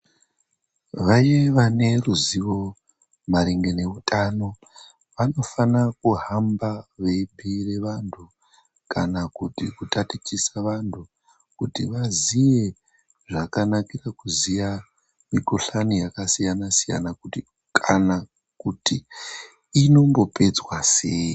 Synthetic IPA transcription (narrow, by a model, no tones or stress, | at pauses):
ʋajeʋane̞ruziʋo̞ | maɾiŋɡe̞ne̞ʋutʰʼano̞ | ʋano̞fanakuɦambaʋebʱire̞ʋantʰu | kanakutikutatit͡ʃisaʋantʰu | kutiʋazije̞ | ʐakanakirakuzija | mikoɬanijakasijanasija̰nakuti | kʰana | kuti | ino̞mbo̞pe̞d͡zwasei